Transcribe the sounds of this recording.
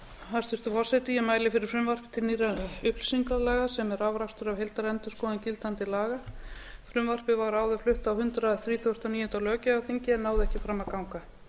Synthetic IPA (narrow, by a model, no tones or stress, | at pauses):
hast̪ʏ̥t̪ʏfɔrsajt̪ɪjɛmaːjlɪfɪɾɪɾ̥fɾʏmvar̥pɪ̥t̪ʰɪlniːraʏpl̥siŋklalɛːɣasɛmɛɾawvɾaft̪ʏɾavɦejlt̪aɾɛnt̪ʏskɔːðɪncɪlt̪ant̪ɪlaːɣafɾʏmvar̥pɪvaɾaːwðʏflʏht̪awhʏnt̪ɾaθɾiːt̪ʰowst̪aniːjʏnt̪alœːcɪawθiɲcɪɛnːaːwðɪɛhcɪfɾamːakawŋka